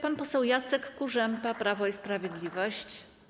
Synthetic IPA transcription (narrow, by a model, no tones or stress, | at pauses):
panpɔsɛwjat̪sɛkːuʐɛmpapɾavɔispɾavʲjɛd̪lʲivɔɕt͡ɕ